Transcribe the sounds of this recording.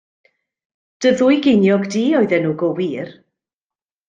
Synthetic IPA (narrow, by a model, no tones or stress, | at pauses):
d̥əðʊjɡenjɔɡdiːɔɨðɛnuːɡɔwiːr